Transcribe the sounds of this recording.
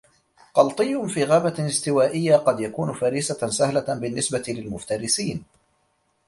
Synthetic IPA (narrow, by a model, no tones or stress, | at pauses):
qɑlt̪ˤɨjːʊnfiːɣaːbaɪst̪ɪwaːʔɪjːaqɑd̪jakuːnfaɾiːsasahlabɪnːɪsbat̪ɪlɪlmʊft̪ɑɾɪsiːn